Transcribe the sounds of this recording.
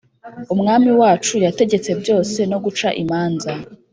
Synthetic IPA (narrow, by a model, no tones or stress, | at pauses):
umŋaːmiwaːt͡ʃujate̞ɟe̞t͡se̞bjo̞ːse̞no̞ɡut͡ʃaʔimaːnza